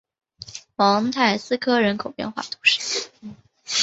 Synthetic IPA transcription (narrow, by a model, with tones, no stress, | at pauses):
xwɑ˧˥ŋt̪ʰa˥˩ɪsɹ̩˥kʰɤ˥ɻə˧˥nkʰo˨˩ʊpjɛ̰˥˧nxwa̰˥˩t̪ʰu̥˧˥˦ʂɻ̩˥˩